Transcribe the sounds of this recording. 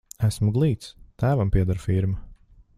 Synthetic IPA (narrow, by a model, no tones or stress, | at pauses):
æsmuɡlˠiːt̪st̪æːvampiɛd̪aɾfiɾma